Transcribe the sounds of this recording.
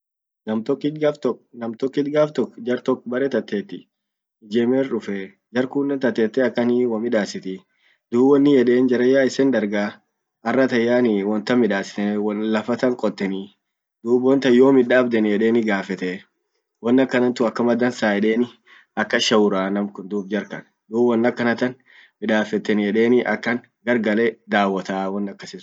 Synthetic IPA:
nɐmt̪ɔkːɪaft̪ɔnɐmt̪ɔkːɪt̪ɡaːft̪ɔkːd͡ʒɐɾt̪ɔkːbɐɾɛt̪ɐt̪ːeːt̪ːɪ | ɪd͡ʒɛːmeːrʊfɛ | d͡ʒɐɾkʊnːɛnt̪ɐt̪ːeːt̪ːɛɐkːɐniwɐmɪᶑaːsɪt̪ɪ | d̪uːbwɔnːɪjɛᶑe̞ːnd͡ʒɐɾɐjːaːɪsɛnd̪ɐɾɡaː | ɐrːɐt̪ɐjːaːnɪwɔnt̪ɐmɪᶑaːsɪ̥t̪ɛwɔnlɐfɐt̪ɐŋkʼɔt̪ːɛni | d̪̥uːbwɔnt̪ɐjːo̞ːmɪᶑaːbd̪ɛnjɛᶑe̞ːnɪɡaːfɛt̪ɛ | wɔnːɐkːɐnɐnt̪ʊɐkːɐmɐd̪ɐnsaːjɛᶑeːnɪ | ɐkːɐʃɐwʊɾaːnɐmkʊnd̪uːb̚d͡ʒɐɾkɐn | d̪uːbɔnːɐkːɐnɐt̪ɐn | mɪᶑaːfɛt̪ːɛnjɛᶑeːnɪʔɐkːɐn | ɡɐɾɡɐlɛd̪aːwɐt̪aːwɔnːɐkːɐsɪs

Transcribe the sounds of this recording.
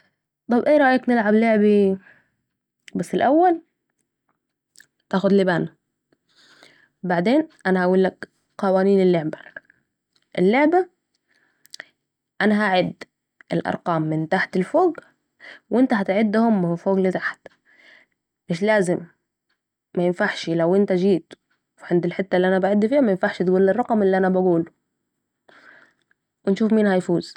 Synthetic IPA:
t̪ˤɑbʔeːɾˤɑʔjaknɪlʕabloʕbi | basːɪlʔawːal | t̪aːxʊd̪lɪbaːn | baʕd̪eːnʔanahawulːak | qɑwaːniːnɪlːoʕbḁ | ʔɪlːoʕba | ʔanaɦaʕɪd̪ | ʔɪlʔɑ̰ɾˤqɑːmːɪnt̪aħt̪ɪlfoːɡ | wʔɪnt̪aɦat̪ʕɪd̪ːhʊmːfoːɡlɪt̪aħt̪ | ʔeʃlaːzɪmː | ajɪnfaʕʃlawʔɪnt̪ad͡ʒiːt̪ | fiʕand̪ɪlħɪt̪ːaʔɪlːiʔanabaʕɪd̪ːifiːhamajɪnfaʕʃt̪ɡuːlːɪrˤːɑqɑmɪlːiʔanabaɡuːl | wɪnʃuːfmiːnhajfuːz̥

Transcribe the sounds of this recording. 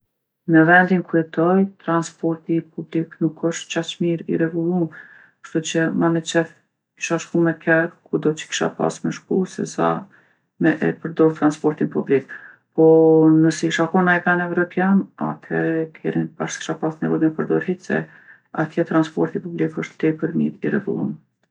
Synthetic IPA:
nəvɛnd̪inkuɛt̪ɔjt̪ɾanspɔɾt̪ipubliknukʰəʃt̪t͡ʃat͡ʃmiɾḭɾɛvulˠum | kə̥ʃt̪ut͡ɕəmanɛt͡ʃɛθ | ki̥ʃaʃkumɛkʰɛɾkud̪ɔt͡ʃə̥ki̥ʃa̰pa̰smɛʃkusɛ̰sa̰ | mɛʔɛ̰pəɾd̪ɔɾt̪ɾanspɔɾt̪inpublik̚ | pɔnəsiʃakɔnajkanɛvɾɔpjana̰t̪ʰɛɾkʰɛ̰ɾinbaʃki̥ʃapasnɛvɔjmɛpəɾd̪ɔɾhisɛ̰ | at̪ʰjɛt̪ɾanspɔ̰ɾt̪ipublikəʃt̪t̪ɛpəɾmḭɾirɛ̰ɡṵlˠṵm

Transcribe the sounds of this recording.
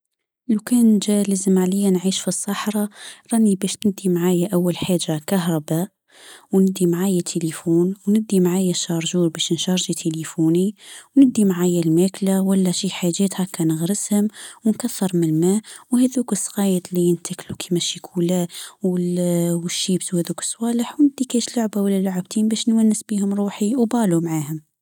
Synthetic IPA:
lukɛːnʒælæzəmʕalɪjːanʕiːʃfisˤːɑħɾˤɑɾˤɑnibɛʃnnɪd̪ːimʕaːjaʔawːalħaːʒːakaɦɾˤɑbæːʔ | wnɪd̪ːimʕaːjæt̪ʰelifuːnwnɪd̪ːimʕaːjæʃɑɾˤʒuːɾbɛʃnʃɑɾˤʒit̪ʰelifuːniwnɪd̪ːimʕaːjælmæklawalːæʃiħaʒeːt̪hakːænəɣɾəshʊmwnkaθːɑɾˤmɪnmæwhæðuːkəsˤːɣɑːjət̪lijənt̪ʰaklukʰimæʃikʰuːlæwwəʃːiːbswhɛðukə̥sˤːwɑːləħwnɪd̪ːikɛʃlʊʕbawalːælʊʕəbt̪ʰiːmbæːʃnwænːɪsbihʊmɾˤuːħiwbɑːlumʕaːhʊm

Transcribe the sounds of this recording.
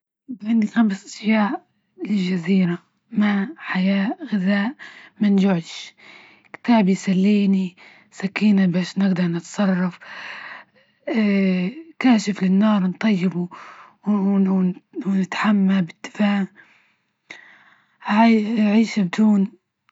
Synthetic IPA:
bʕɪnd̪ixamsʔaʃjaːʔ | lɪlʒaziːɾa | maħajaːʔɣɪðaːʔmanʒʊʕʃ | kɪ̥t̪aːbjsalːiːni | sakiːnabaːʃnɪɡd̪ɑɾˤnɪt̪sˤɑrˤːɑf | kaːʃɪflɪnːɑːɾˤnt̪ˤɑjːɪbu | wwnɪt̪ħamːabɪd̪̥ːɪ̥faːʕ | ʕʕiːʃabɪd̪uːn

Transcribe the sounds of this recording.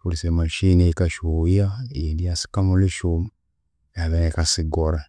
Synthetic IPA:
fuɾsemaʃinekaʃuiajedijasi̥kamoliʃom | jaβenekasiɡoɾa

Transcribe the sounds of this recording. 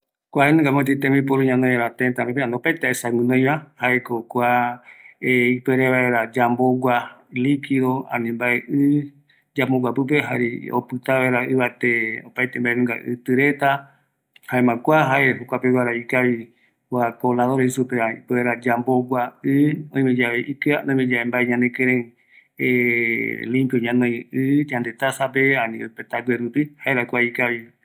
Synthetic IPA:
kʷaenũŋɡamõt̪it̪ẽmĩpuɾũɲãnõeɾat̪ent̪anẽpeand̪opajt̪aesaŋɨ̃nõj̃βãhaekokʷa | eipeɾeβaeɾad͡ʒamboɡʷalikiðoã̰nĩmbaeʔɨ | d͡ʒamoɡʷapɨp̬eɦaɾḭo̰pɨt̪aβaeɾaɨβat̪eopajt̪embaenũŋɡa̰ʔɨ̰t̪ɨɾet̪a | haemãkʷaɦaeɦukʷapewaɾaikai | wakolaðoɾeisupeaipeeɾad͡ʒamboɡʷaʔɨõj̃mẽd͡ʒaβeʔikɨaõj̃mẽd͡ʒaembaeɲãnd̪ẽkẽɾẽ | e | lĩmpjoɲãnõjɨɲãnd̪e̞t̪asap̬eanĩɨpet̪aɡweɾupihaeɾakʷaikaβi

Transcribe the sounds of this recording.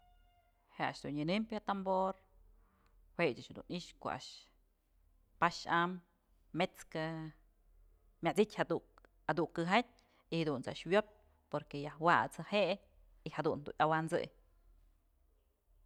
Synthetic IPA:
hea̰ʃd̪unɨnɨmpʲhat̪amboɾ | wet͡ʃaʃhad̪ṵniʔʃko̰a̰ʃ | paʃamː | et͡ska | mʲat͡sitʲha | had̪ukːɨɦat̪̚ʲ | ihad̪unt͡sa̰ʔʃwjop̚ʲ | poɾkejahwat͡sɨheʔ | ihad̪und̪ṵʔawant͡sɨ̰j

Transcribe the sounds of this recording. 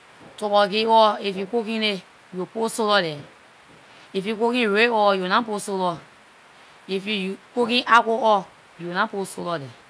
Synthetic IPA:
tɔbɔɡiwɔefikok̬ĩle | joposolɔdɛ | efukokĩɾeɔjonãposolɔ | efujkokĩʔakoɔ | jonãposolɔdɛ

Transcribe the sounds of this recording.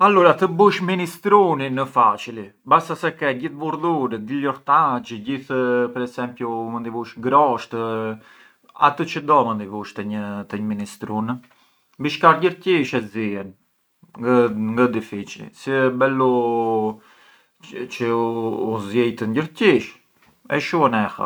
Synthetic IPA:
aluɾat̪əbuʃminist̪ɾuninəfat͡ʃilibasasɛkɛɟiθbuɾðuɾɛd̪ilɔɾt̪ad͡ʒəɟiθpɛɾɛsɛmpjumənd̪ivuʃɡɾɔʃt̪ə | a̰t̪ət͡ʃəd̪ɔmənd̪ivuʃt̪ɛɲət̪əɲəminist̪ɾun | biʃkaɾɟəɾciʃɛziɛn | ŋɡəd̪ifit͡ʃḭsibɛlɔ | t͡ʃəː | zjɛjt̪ənɟəɾciʃ | ɛ̰ʃuənɛha̰

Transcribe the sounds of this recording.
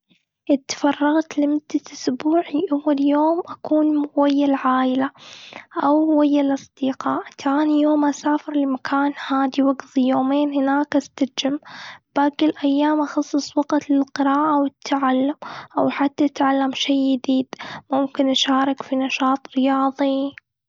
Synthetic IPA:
ʔɪt̪fɑrˤːɑɣt̪lɪmʊd̪ːaʔʊsbuːʕiʔawːaljoːmʔakuːnwajːalʕaːʔɪlaʔawwajːalʔɑsˤd̪̥iːqɑːʔt̪ʰaːnijoːmʔasaːfɪɾlɪmakʰaːnhaːd̪iwaɡθijoːmeːnhɪnaːkʔast̪ad͡ʒɪmbʔakɪlʔajːaːmʔɑxɑsˤːɨsˤwɑɡt̪lɪlqɨɾaːʔawɪt̪ʰʕalːamʔawħat̪ːaʔat̪ʕalːamʃijːɪd̪iːd̪̥mʊmkɪnʔaʃaːɾˤɑkfinɑʃɑːt̪ˤɾɪjɑːðˤi

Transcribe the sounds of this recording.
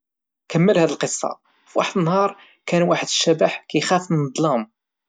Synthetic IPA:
kəmːəlhæd̪əlqəsˤːɑ̰ | fwa̰ħəd̪ənhɑɾˤ | kænwaħəd̪əʃːæbaħkæjxæfmənəd̪ˤlɑm

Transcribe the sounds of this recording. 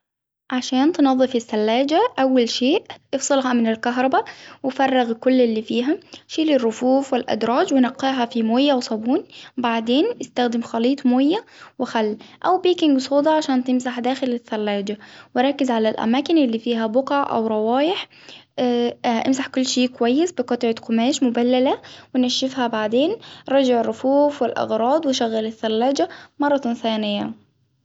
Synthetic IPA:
ʕaʃaːnt̪nɑðˤːɨfɪsːalːaːd͡ʒaʔawːalʃeːʔʔɪfsˤɨlɦɑmɪnɪlkaɦɾˤɑbawɪfɑrˤːɪɣkʊlːɪlːiːfiːɦaʃiːlɪrˤːʊfuːfwɪlʔa̰d̪ɾˤɑːd͡ʒwɪnɑqːiːɦɑfimoːjːawsˤɑbuːnbaʕd̪eːnʔɪst̪axd̪ɪmxɑliːt̪ˤmoːjːawɪxalːʔawbiːkɪŋɡsˤuːd̪ˤɑʕaʃaːnt̪ɪmsaħd̪aːxɪlɪsːalːaːd͡ʒawɪɾˤɑkːɪzʕalalʔa̰maːkɪnʔɪlːiːfiːɦabʊqʕʔa̰wɾˤɑwɑːjɪħ | ʔɪ̰msaħkʊlːʃeːkwajːɪsbɪqɑt̪ˤʕɪt̪qʊmaːʃmʊbalːalawɪnaʃːɪfhabaʕd̪eːnɾˤɑd͡ʒɪʕɪrˤːʊfuːfwɪlʔɑ̰ɣɾˤɑːd̪ˤwɪʃaɣːalɪθːalːaːd͡ʒamɑrˤːɑθaːnɪjːa̰

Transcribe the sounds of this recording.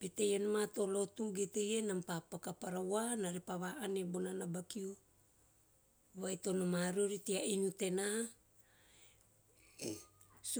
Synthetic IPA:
b̥etejanamato̞lo̞tuɡetejenampapakapaɾawanaɾepaβaʔanebonanabakiu | βajto̞nomaɾuɾitiainute̞na | s

